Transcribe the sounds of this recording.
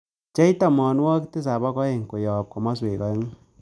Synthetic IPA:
t͡ʃɛ˦i˦ta˨mɔ˨nwɔ˦kte˦s̬a˨bɔ˦kɔ˦e˨ŋ˨ko˨jɔ˨p̚kɔ˨mɔ˦s̬we˨kɔ˦e˦ŋ˦

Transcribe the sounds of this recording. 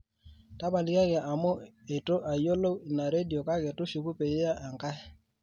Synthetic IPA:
ta˦pa˨li˦ka˦kɛ˨ʔa˨mo˦e˨to˦ʔa˨jo˦lo˦i˨na˨ɾe˦di˨o˨ka˦kɛ˨to˦ʃu˨ku˦pe˨je˦a˦ʔa˨ŋka˦ɛ˦

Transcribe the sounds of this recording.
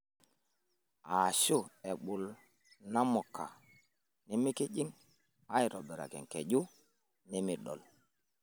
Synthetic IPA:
a˨ʃu˦˨e˨ɓu˨l | na˦mɔ˨kːa̰˨ | ni˦mi˦ki˦d͡ʒi˦ŋ | a˦i˨ɾo˨bi˨ɾa̰˨kɛ̰˨ŋke˨ɟu˦ | ni˦mi˨ɗɔ̰˨l

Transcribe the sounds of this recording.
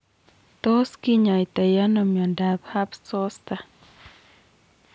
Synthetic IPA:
t̪o˦ski˦ɲa˨jt̪a˨ja˦nɔ˨mjɔ˨nda˨bha˦pso˦st̪a˨

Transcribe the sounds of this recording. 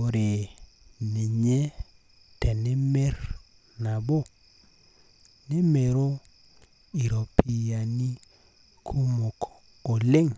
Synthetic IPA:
o˨ɾe˨ | ni˨ɲe˦ | tɛ˨ne˦me˦r | na˨bo˦˨ | ne˦me˨ɾo˦ | i˨ɾo˨pʰi˦a˨ni˦ | kʰu˦mo˨k | o˨le˦ŋ

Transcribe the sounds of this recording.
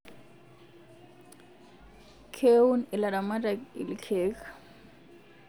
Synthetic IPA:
kʰe˦unɪ˨la˨da˨ma˦tʼa˨ɪ̰˨lɪ˨kʰɛːkʼḁ

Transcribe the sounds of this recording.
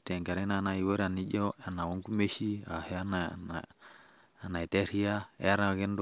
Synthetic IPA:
tɛ˨ŋɡa˨ɾɛ˦na˨na˨i˨wo˦ɾa˨ni˦ɟɔ˦a˨na˨wo˦ŋɡu˦me˦ʃi˦a̰˨hɛ˦a˦na | a˨na˨te˦ɾi˦a˦ɛ̰˦a˦ɾa˦ɡɛ˦nd

